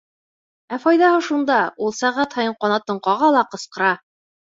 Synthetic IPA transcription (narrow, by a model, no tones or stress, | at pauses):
æfɑjðɑhɤʃund̪ɑulˠsæʁæt̪hɑjɤɴqɑnɑt̪ɤ̆ɴqɑʁɑlˠɑqɤ̆sqɤ̆ɾɑ